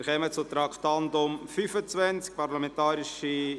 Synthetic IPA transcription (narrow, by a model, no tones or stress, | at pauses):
χɛmət͡sʊt̪ɾɑkʰt̪ɑnd̪ʊmfyfət͡sʋɛnt͡sk̚pɑɾlɑmɛntɑːɾɪʃi